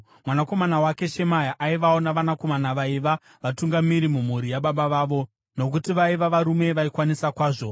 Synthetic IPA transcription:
mwanako̞manawake̞ʃe̞majaʔaiʋaonaʋanako̞manaʋaiʋa | ʋatuŋɡamiɾimum̤uɾijaɓaɓaʋaːʋo̞ | no̞k̬utiʋaiʋaʋaɾume̞ʋaikwanisakwaːʐo̞

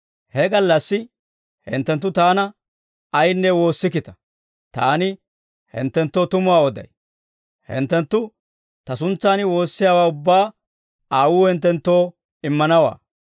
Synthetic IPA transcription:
hɛɡɐlːɐsːɪ | hɛ̰nt̪ːɛnt̪ːʊt̪aːnɐ | ɐjnːɛwo̞ːsːɪkɪt̪ɐ̥ | t̪aːnɪ | hɛ̰nt̪ːɛnt̪ːo̞ːt̪ʊmʊwaːwɔd̪ɐ̰j | hɛ̰nt̪ːɛnt̪ːʊ | t̪ɐsʊnt͡sːaːnɪwo̞ːsːɪjaːwaːʊbːaː | aːwuːhɛnt̪ːɛnt̪ːo̞ː | ɪmːɐnɐwa̰ː

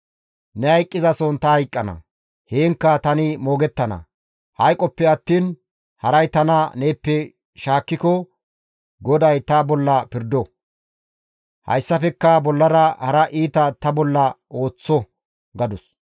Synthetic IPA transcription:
nɛhɐjkʼːɪzɐsɔnt̪ɐhɐjkʼːɐnɐ̰ | heːŋkːɐt̪ɐnɪmoːɡɛt̪ːɐnɐ̰ | hɐjkʼɔpːɛɐt̪ːiːn | hɐɾɐjt̪ɐnɐneːpːɛ | ʃaːkːɪkɔ | ɡɔd̪ɐjt̪ɐbɔlːɐpɪɾd̪ɔ | hɐ̰jsːɐfɛkːɐbɔlːɐɾɐhɐɾɐʔiːt̪ɐt̪ɐbɔlːɐʔo̞ːt͡sːɔ | ɡɐd̪ʊs

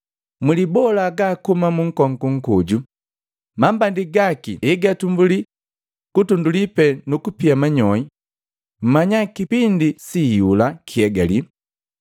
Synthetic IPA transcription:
mulibɔlaɡakumamuŋ̩kɔŋkuŋ̩kuɟu | mambandiɡakḭɛɡatumbuli | kutundulipɛnukupiamaɲɔi | m̩maɲakipindisijulakʰiɛɡa̰li

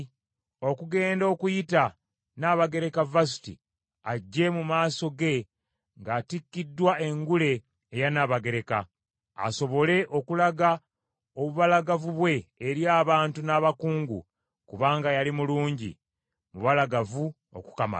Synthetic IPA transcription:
o̞kuɡe̞ːndo̞ːkujita | naβaɡe̞ɾekavas̬i̥tḭ | aɟːe̞mumaːso̞ɡe̞ | ŋɡaːtikːidːwae̞ŋɡule̞ː | janaβaɡe̞ɾe̞ka̰ | a̰so̞βo̞le̞ʔo̞kulaɡa | oβuβalaɡavuβwe̞ːɾjaːβaːntunaːβakuːŋɡṵ | kuβaːŋɡajalimuluːɲɟḭ | muβalaɡavu | o̞̰ku̥kama̰l

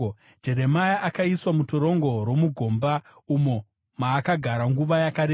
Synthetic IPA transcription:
d͡ʒe̞ɾe̞majaʔakaiswamutoɾo̞ŋɡo̞ɾwomuɡʱo̞ːmba | umo̞ | maːkaɡʱaɾaŋɡuʋajakaɾeː

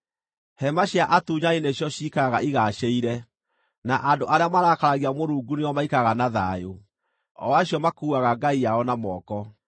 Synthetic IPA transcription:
hɛmaɕjaʔatuːɲaineɕjɔɕikaɣaʔiɣaːʃeiɾɛ | naʔadoʔaɾeamaɾakaɾaɣiamoɾuːɡuneɔmaikaɣanaðajo | ɔ̰waɕjɔmakuːaɣaɡaijaɔnamɔːkɔ

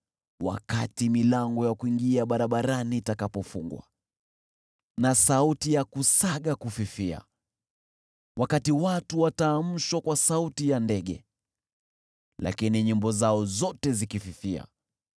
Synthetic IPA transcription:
wa̰katimilaŋɡɔjakuiŋɡiaɓaɾaɓaɾaniːtakapɔfuŋɡwa̰ | nasautijakusaɠakufifia̰ | wakatiwatuwataːm̩ʃwakwasautijandɛɠɛ̰ | la̰kiniɲimbɔzaɔzɔtɛzikififia̰

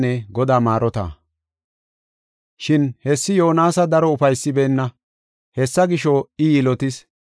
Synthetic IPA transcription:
nɛɡɔd̪aːmaːɾɔt̪ɐ̰ | ʃɪnhɛsːɪjo̞ːnaːsɐd̪ɐɾɔʊfɐjsːɪbeːnːɐ | hɛsːɐɡɪʃɔɪjɪlɔt̪ɪs

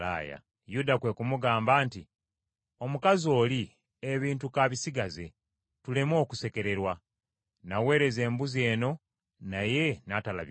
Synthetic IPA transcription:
a̰ja̰ | judakwe̞kumuɡaːmbaːnti | o̞mukazo̞ːli | eβiːntukaβisiɡaze̞̰ | tule̞mo̞ːkuse̞ke̞ɾe̞ɾwa | nawe̞ːɾe̞ze̞ːmbuzie̞ːno̞ | naje̞natala̰β

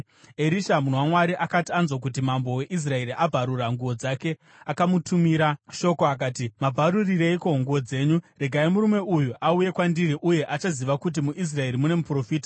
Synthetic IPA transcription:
eɾiʃamunowamwaɾiʔakatianzwok̬ut̬imambo̞we̞ʔis̬rae̞ɾiʔabʱaɾuraŋɡuʋo̞d͡zake̞ | akamutʰumiɾaʃo̞koakaːtimabʱaɾurireikoŋɡuʋo̞d͡ze̞ːɲure̞ɡʱaimuɾume̞ujuʔauje̞kwandiɾiʔuje̞ʔat͡ʃaziʋakut̬imuʔis̬rae̞ɾimune̞mupro̞fiːtḁ

